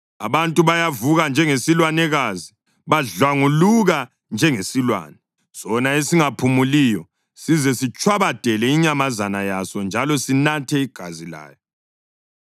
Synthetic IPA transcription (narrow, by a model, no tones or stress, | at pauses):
a̰βantʼuβajavuɣand͡ʒʱɛŋesilwanɛɣazi | βaɮwaŋuluɣa | nd͡ʒʱɛŋesilwa̰ːnɛ | sɔnaesiŋapʰumuliːjɔ | sizɛsit͡ʃʼʰwaβad̥ʱɛlɛiɲamazanajasɔnd͡ʒʱalɔsinatʰɛiɡ̥ʱazila̰ːjɔ